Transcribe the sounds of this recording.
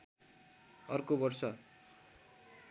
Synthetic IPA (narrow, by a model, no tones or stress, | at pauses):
ʌrkobʌrsʌ